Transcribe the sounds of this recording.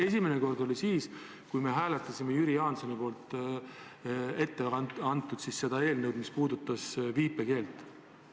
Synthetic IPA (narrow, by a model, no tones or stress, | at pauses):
e̞sʲimeneko̞rd̪̥o̞lisiːs | kujme̞ɦæːlet̪ːˑɑsimejyɾiɑːnsɑnepo̞ːlt̪ˑ | e̞t̪ːe̞ɑnt̪ːˑud̪̥sisse̞d̪̥ɑe̞ːlnɤwd̪̥mispuːd̪ut̪ːˑɑsviːpːˑeke̞ːlt̪ːˑ